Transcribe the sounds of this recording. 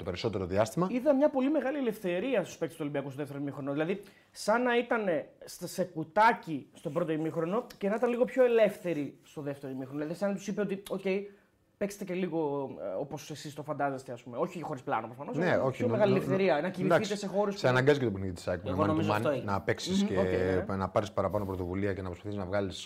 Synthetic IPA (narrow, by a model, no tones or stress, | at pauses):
t̪opeɾiso̞t̪eɾoðiɐst̪imɐiðɐmɲɐpo̞lime̞ɣɐlie̞le̞fθe̞ɾiɐst̪u̥speksst̪olibiɐkust̪oðeft̪eɾoimixɾonoðilɐði | sɐnɐit̪ɐne̞sse̞kut̪ɐcist̪o̞bɾo̞t̪oimixɾo̞no̞cenɐit̪ɐnliɣo̞pço̞e̞le̞fθe̞ɾist̪o̞ðe̞ft̪eɾoimixɾonðlɐðisɐnɐt̪u̥sipeo̞t̪io̞ce̞j | pekse̥t̪ece̞liɣo̞o̞po̞sesist̪o̞fɐnd̪ɐzest̪e̞ɐspumeo̞çiexo̞ɾisplɐnopɾofɐnoneoçomeɣɐlieleefθθe̞ɾiɐnɐcinid̪ɐθit̪esexo̞ɾesseɐnɐŋɡɐzict̪openiðit̪i̥sɐkneɣonomizooenɐpeksiskeoenɐpɐɾispɐɾɐpɐnopɾot̪o̞vuliɐcenɐpɾo̞spaθisznɐvɣɐlis